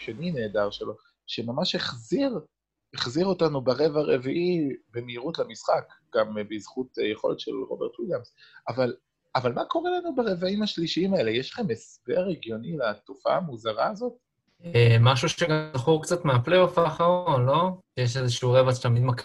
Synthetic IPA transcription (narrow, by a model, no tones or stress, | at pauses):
ʃenine̞ːdaʁʃelo̞ | ʃemamaʃheχziʁ | eχziʁo̞tanubaʁe̞vaʁeviʔibemeiʁutlemisχakɡ̥ambizχutjeχo̞lḛt̪ʃelʁo̞̰beʁt̪wiljamsaval | avalmako̞ʁelanubaʁe̞vaimhaʃliʃiimae̞le̞jɛʃlaχe̞mesbeaʁeɡjo̞nilat̪ufa̰ːmuzaʁaːzo̞t̚ | emaʃuʃeɡazaχuʁkt͡sat̪meapleofaχaolo̞ʃjeʃezɛʃiuʁevat͡st̪amid̪mak